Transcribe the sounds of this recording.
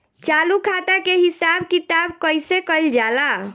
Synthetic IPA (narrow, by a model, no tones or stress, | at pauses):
t͡ʃalukʰat̪akeɦisabkit̪abkəjsekəjld͡ʒala